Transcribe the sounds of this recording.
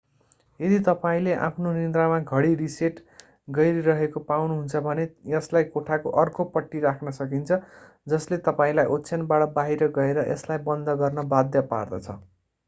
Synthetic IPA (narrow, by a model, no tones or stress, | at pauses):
jed̪it̪ʌpaĩleʔã̰pʰnonind̪ramaɡʱʌɽiriseʈ | ɡʌjɾiɾʌɦekopawnuɦunt͡sʰʌbʱʌnejʌslajkoʈʰakoʔʌrkopʌʈːiɾakʰnʌsʌkint͡sʰʌ | d͡zʌslet̪ʌpaĩlajʔotːsʰʌnbaʈʌbaɦiɾʌɡʌeɾʌʔeslajbʌnd̪ʱʌɡʌrnʌbad̪jʌpa̰rd̪ʌ̰t͡sʰʌ̰